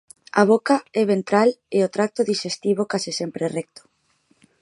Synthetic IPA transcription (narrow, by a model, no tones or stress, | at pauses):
aβ̞okaɛβ̞ent̪ɾaleot̪ɾak̚t̪oðiʃest̪iβokasisɛmpɾerɛk̚t̪o̥